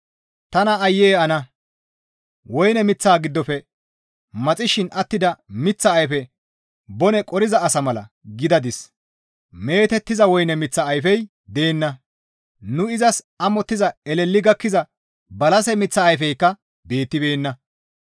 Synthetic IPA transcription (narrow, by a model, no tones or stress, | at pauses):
t̪ɐnɐːjːeːɐnɐ | wɔjnɛmɪt͡sːaːɡɪd̪ːɔfɛ | mɐt͡sʼɪʃɪnɐt̪ːɪd̪ɐmɪt͡sːɐːjfɛ | bɔnɛkʼɔɾɪzɐːsɐmɐlɐ̰ | ɡɪd̪ɐd̪ɪs | me̞ːt̪ɛt̪ːɪzɐwɔjnɛmɪt͡sːɐːjfɛj | d̪e̞ːnːɐ | nʊɪzɐs | ɐmɔt̪ːɪzɐɛlɛlːɪɡɐkːɪzɐ | bɐlɐsɛmɪt͡sːɐːjfɛjkːɐ | be̞ːt̪ːɪbe̞ːnːɐ